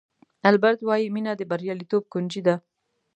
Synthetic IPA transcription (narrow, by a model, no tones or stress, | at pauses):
albaɾt̪wɑjiminad̪əbaɾjɑlit̪ob̚kʊnd͡ʒid̪a